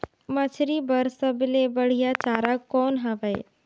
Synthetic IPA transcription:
mɐt͡ʃʰɾibɐɾsəbɪlebəɽ̤ijat͡ʃaːɾakːɔːnɦaʋəj̰

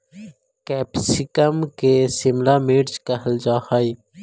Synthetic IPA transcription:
kɛːpsɪkəmkesɪmlameːʈt͡ʃkəɦəld͡ʒaːhaːi

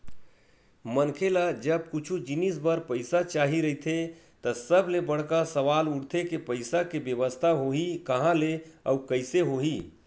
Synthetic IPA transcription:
mənkʰelad͡ʒəb̚kut͡ʃʰud͡ʒinisbəɾpəɪsat͡ʃaɦiɾəɦit̪ʰet̪əsəblebəɽ̤kasəʋaluɽt̪ʰekepəɪsakebjəβəst̪ʰaɦoɦikəɦãleə̰ukəjseɦoɦi

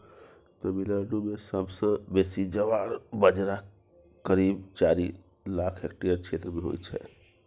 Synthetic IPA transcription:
t̪ɔmiləɖumesəbsə̃besid͡ʒəʋaɾbəd͡ʒɾa | kəɾibt͡ʃaɾi | lakʰɦekʈijəɾt͡ʃʰet̪ɾəbʱiɦo̰jt͡ʃʰɛ̰

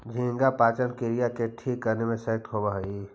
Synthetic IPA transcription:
d͡ʒʱĩŋɡapaːt͡ʃənkiɾijakeʈʰikːəɾnemẽsek̚t̪ɦobaɦi

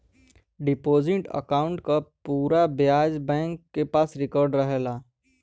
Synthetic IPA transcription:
ɖɪpoːzɪʈə̰kaːʊ̃ɳʈkapuːɾabjaːd͡ʒbɛ̃ːŋkːepaːsɾɪkɔɾɖɾəɦelaː

